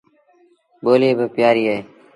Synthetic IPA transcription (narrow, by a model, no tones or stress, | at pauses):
ɓoːleːbʱəpjaːɾiːɦəɦeː